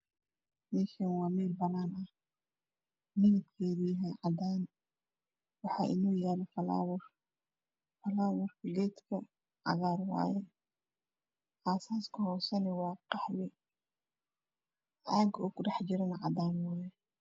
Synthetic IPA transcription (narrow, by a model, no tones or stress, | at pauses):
mikɛnwaːmiːlbɐnaːnʔɐh | mɪnɪt̪kʰɛːdijɦɛʕad̪aːn | wɑħaːʔɪnɔːjaːlɔfɐla̰ːwʊɾ | fɐlaːwʊɾɡɛːt̪kʰɐ | ʕɑ̰ɣaːɾwa̰ːjɛ | ʔasaːskʰɐhɔːsɐnɛwɑːqɑħlɛ | ʔaːɡɔːkʊɖɛħd͡ʒɪɾɐnɐʕa̰d̪aːnwaːjɛ